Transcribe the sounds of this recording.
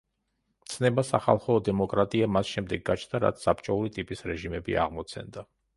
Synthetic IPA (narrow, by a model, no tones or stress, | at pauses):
mt̪sʰnɛbasaχalˠχɔd̪ɛmɔkʼɾat̪ʼiamasʃɛmd̪ɛɡːat͡ʃʰnd̪aɾa̰t̪sʰsapt͡ʃʼɔuɾit̪ʼipʼisɾɛʒimɛbḭa̰ʁmɔt̪sʰɛ̰nd̪a